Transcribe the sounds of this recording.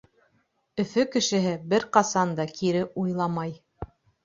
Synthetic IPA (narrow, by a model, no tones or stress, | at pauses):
ɵ̆fɵkɘ̆ʃɘ̆ɦɘbɘɾqɑsɑnd̪ɑkʰiɾɘʔujlˠɑmɑj